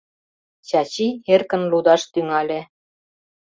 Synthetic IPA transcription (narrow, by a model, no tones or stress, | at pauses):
t͡ɕɑt͡ɕierkə̆nlud̪ɑʃt̪yŋɑlʲe